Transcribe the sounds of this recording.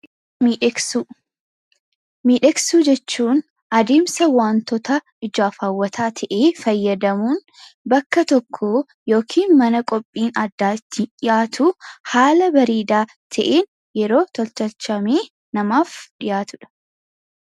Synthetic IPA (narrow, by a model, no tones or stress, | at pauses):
miːᶑɐksuːd͡ʒɛt͡ʃːuːn | ɐd̪eːmsɐwaːnt̪ɔt̪ɐ | ɪd͡ʒaːfaːwːɐt̪ʰaːt̪ʰɐʔeːfɐjːɐd̪ɐmuːn | bɐkːɐt̪ɔkʰːo | jo̞ːkʰiːnmɐnɐkʼɔpʼːiːnɐd̪ːaːɪt̪ːɪᶑɪjaːt̪ʊhaːlɐbɐɾiːd̪aː | t̪ʰɐʔeːn | jɛɾo̞ːt̪ɔlt̪ɐlt͡ʃɐmeː | nɐmaːfᶑɪjaːt̪ʊᶑɐ̥